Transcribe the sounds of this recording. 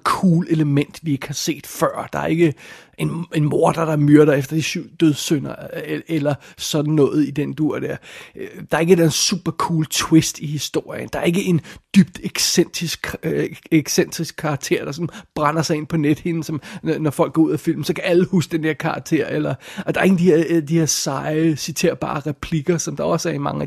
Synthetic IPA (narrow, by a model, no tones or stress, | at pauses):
kʰuːle̝ləmen̰d̥ʋie̝ɡ̥əhɑ̈se̝̰ːd̥fɶɐ̰d̥ɑ̈æɐe̝ɡ̥əe̝ne̝nmo̝ɐd̥ɑd̥ɑ̈myɐɾ̥ɐefd̥ɐd̥isyʊ̰d̥øð̞ˠsønɐelɐsɒ̽d̥n̩nɔ̽ːð̞̩ˠid̥end̥uɐ̰d̥æɐd̥ɑ̈ɐe̝ɡəed̥ænsṵːb̥ɐkʰuːlt͡sʰwesd̥ihisd̥o̝ɐ̰jənd̥ɑ̈æɐe̝ɡ̥əʔe̝nd̥yb̥̚d̥eɡ̥sen̰d̥ʁisɡ̥ | eɡ̥sen̰d̥ʁisɡ̥̚kʰːɑ̈ːɡ̥̚t͡sʰe̝ːɐ̰d̥ɑsɒ̽n̩b̥ʁan̰ɐsɑ̈ɪe̝n̰pʰɒ̽ned̥he̝n̩sɒ̽mnɒfɒ̽l̰ɡ̥ɡ̥ɒːuð̰ˠæfil̰mn̩sɒ̽kʰææləhuːsəd̥end̥eɐkʰɑ̈ɑ̈ɡ̥̚t͡sʰe̝̰ɐ̰elɐɒd̥ɑ̈ɐe̝ɡŋn̩d̥iheɐd̥ihe̝ɐsɑ̈ɪsit͡sʰe̝̰ːɐb̥ɑ̰̈ːʁɛpʰliɡ̥ɐsɒ̽md̥ɑ̈ɒ̽sæɐimɑ̈ŋæ